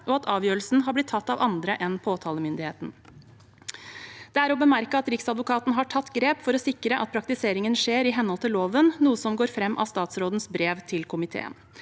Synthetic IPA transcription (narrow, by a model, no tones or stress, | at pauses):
ɔɑt̪ʰɑːʋjøːɾəl̩sn̩ɦɑblɪt̪ʰːɑt̪ːɑːʋɑnd̪ɾəʔɛnpʰoːt̪ʰɑːləmʏnd̪ɪheːt̪n̩ | d̪̥ɛæɾɔbəmæɾkəɑt̪ɾɪksɑd̪ʋʊkʰɑːt̪nəɦɑʈʰɑt̪ːɡɾeːpfɔɾɔsɪkɾəʔɑt̪̚pʰɾɑk̚t̪ɪseːɾɪŋənʂeːɾɪɦɛnhɔlt̪ʰɪloːʋənnuːəsɔmɡoːɾfɾɛmːʔɑ̰ːst̪ɑːt̪sɾoːd̪nsbɾeːʋt̪ʰɪlkʰʊmɪt̪ʰḛːə̰n